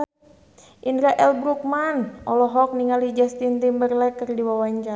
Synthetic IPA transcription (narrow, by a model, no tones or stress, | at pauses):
ʔindɾaʔɛlbɾuk̚manʔɔlɔɦɔk̚niŋalid͡ʒast̪int̪imbərlɛkərdiwawaɲt͡ʃa